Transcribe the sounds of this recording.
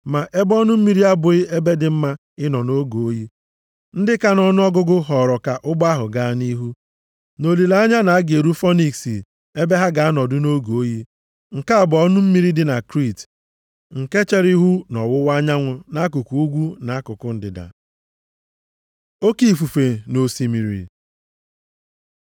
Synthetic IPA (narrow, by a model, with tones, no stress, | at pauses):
ma˨ʔe˦bɔ˦nʊ˦m̩˦mi˦ɾi˦a˦bʊ˨ɪ˦e˦be˦dɪ˨m̩˦ma˦ | ɪ˦nɔ˨no˦ɡo˨o˦ji˦ | n̩˦dɪ˦ka˦nɔ˦nʊ˦ɔ˦ɡʊ˦ɡʊ˦ɦɔ˨ɾɔ˨ka˨ʔʊ˦ba˦ɦʊ˨ɡa˨ni˦ɦu˦ | no˨li˨la˦a˦ɲa˦na˨a˦ɡe˨ɾu˦fɔ˦ni˨ksḭ˨ | e˦be˦ɦa˦ɡa˨a˦nɔ˨dʊ˦no˦ɡo˨o˦ji˦ | ŋ̩˨ka˦a˨bɔ˦nʊ˦m̩˦mi˦ɾi˦dɪ˦na˨kɾi˦˨t | ŋ̩˨ke˦t͡ʃe˦ɾi˦ɦu˦nɔ˨wʊ˦wa˦ɲa˦ŋʷʊ˨na˦ku˨ku˨u˦ɡʷu˦na˨˦kʊ˨kʊ˦n̩˦dɪ˨da̰˨ | o˦ki˨fu˨fe˨no˨si˨mi˨ɾḭ˨